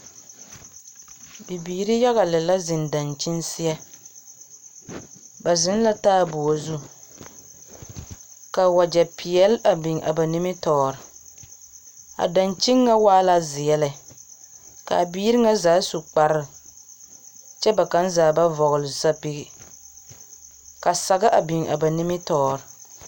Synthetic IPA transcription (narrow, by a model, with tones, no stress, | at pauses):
bi˨biː˨ɾi˦ja˦ɣa˨lɨ˨la˦zɪ˨nda˨nt͡ʃɪ˦nsɪ˦jɛ˦ | ba˨zɪ˦n˦la˦taː˦˨bʊ˨a˨zu˦ | ka˨wa˨d͡ʒɛ˨pʰɪ˨jɛ˦la˨bɪ˨ŋʔa̰˨ba˨nɪ˦mɪ˦tɔː˨˦ɾɨ˨ | a̰˨da˨nt͡ʃɪ˦ŋːa˦waː˦la˦zɪ˨jɛ˨lɨ˨ | ka̰˨biː˦ɾɪ˦ŋa˦zaː˨˦su˨k͡pa˨ɾɨ˦˨ | t͡ʃɛ˦ba˨ka˦n˦zaː˨ba˦vɔ˨ɣʊ˨lɪ˨sa˦pi˦ɡi˨ | ka˨sa˨ɡa˦ʔa˨bɪ˨ŋa̰˨ba˨nɪ˦mɪ˦tɔː˦ɾɨ˨